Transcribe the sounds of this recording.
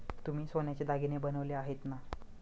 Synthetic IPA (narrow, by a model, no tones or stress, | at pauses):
t̪um̤iːsonjat͡ɕed̪aɡinebənəʋleaɦet̪na